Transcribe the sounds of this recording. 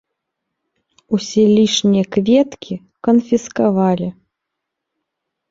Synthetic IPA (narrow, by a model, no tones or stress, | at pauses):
usʲɛlʲiʂnʲijɐkvʲɛt̪kʲi | kɐnfʲiskavalʲi